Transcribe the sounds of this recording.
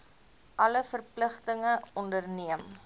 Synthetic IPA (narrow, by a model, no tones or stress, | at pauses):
ʔɐləfərpləχtəŋəɔndərniəm